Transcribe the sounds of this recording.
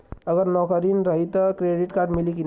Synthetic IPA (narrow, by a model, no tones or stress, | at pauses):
əɡəɾnɔkəɾinɾəɦit̪ɔkɾeɖiʈkaɾɖmilikin